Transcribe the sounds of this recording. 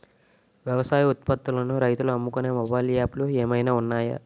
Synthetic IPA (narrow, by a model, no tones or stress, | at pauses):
ʋjɐʋɐsaːjiut̪̚pɐt̪ːulɐnuɾɐjt̪uluɐmːukuneːmɔbɐːjliaːplueːmɐjnaːunːaːjɐ̰